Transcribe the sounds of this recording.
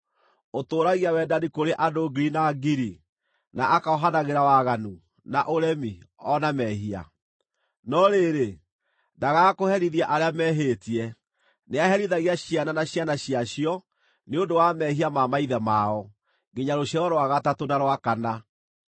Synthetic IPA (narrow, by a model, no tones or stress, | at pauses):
otoːɾaɣiawɛdanikoɾeʔadoɡiɾinaɡiɾi | naʔakaɔɦanaɣeɾawaɣanu | naʔoɾɛmiɔnamɛɦia̰ | nɔɾeɾe | ndaɣakohɛɾiðiaʔaɾeamɛɦeːtiɛ | neaɦɛɾiðaɣiaɕiananaɕjanaɕiaɕiɔ | neondowamɛɦiamamaiðɛmaɔ | ŋɡiɲaɾoɕjaɾɔɾoaɣatatonaɾwakana